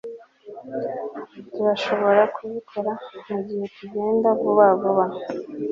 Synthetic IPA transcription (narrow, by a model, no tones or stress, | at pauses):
tuβaʃo̞βo̞ɾakʰuβitʰeɾamuɟihe̞tuɟe̞ːndavuβaβuβa